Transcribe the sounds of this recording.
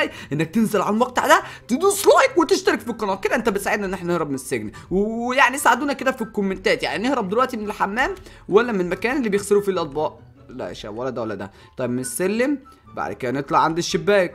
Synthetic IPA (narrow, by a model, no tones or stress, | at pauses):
jʔenːæk̚t̪enzælʕalæmwæqt̪a̰ʕd̪æt̪ed̪usˤlɑːjkwet̪eʃt̪ɑɾekfiqːɑnɑːt̪̚ked̪æʔent̪æbet̪saʕed̪æʔenːʔeħnænehɾɑbmenesːeɡn | wjaʕniesʕad̪uːnæked̪æfikːomːent̪æːt̪ja̰ʕninehɾæb̚d̪elwæʔt̪imenelħamːæːm | wælːæmenelmækæːnelːiːbejexseɾufilʔɑt̪̚ˤbɑːʔ | læ̰ʔḛʃæ̰ːwælːæd̪æwælːæd̪æ̰ | t̪ˤɑjebmenesːælːem | ba̰ʕd̪kæːnʔet̪ˤlɑʕand̪iʃːebːæːk̚